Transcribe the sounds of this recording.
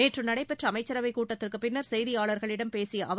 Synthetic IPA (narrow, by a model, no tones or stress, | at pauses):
eːʈrɯmnɐɽɐɪpɛʈrɐɐmɐɪt͡ʃːɐɾɐʋɐɪkːuːʈːɐt̪ːɪrkɯpɪnːɐɾsɛjðɪjaːɭɐɾɣɐɭɪɽɐmpeːsɪjɐʔɐʋ